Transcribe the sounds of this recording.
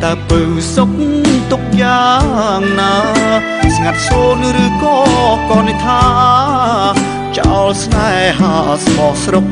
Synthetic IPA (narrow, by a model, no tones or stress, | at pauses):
t̪aəpɨsok̚t̪ʊk̚jaːŋnaː | sŋat̪̚soːnɾɨːkɔːkɑːnit̪ʰaː | t͡ɕa̰ɔlsnaɛɦaːsmɑhsrok̚